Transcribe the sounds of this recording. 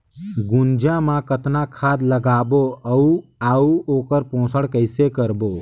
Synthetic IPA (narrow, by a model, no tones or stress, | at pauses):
ɡʊnd͡ʒãmãkət̪nãkʰaːd̪ləɡaːboəuaːuoːkəɾpõːsəɽkəɪsekəɾboː